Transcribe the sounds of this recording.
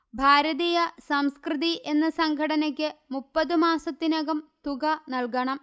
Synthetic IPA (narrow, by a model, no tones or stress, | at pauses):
bʱaːɾɐðijɐsɐmskrɨðiʔe̞nːɐsɐŋɡʱɐɽɐnɐk̬ʲːɨmupːɐðɨmaːsɐt̪ːinɐɣɐmt̪uɣɐnɐlkɐɳɐm